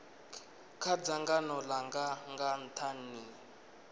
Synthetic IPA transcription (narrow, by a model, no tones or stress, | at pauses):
kʰad͡zaŋɡanɔlaŋɡaŋɡan̩tʰanːi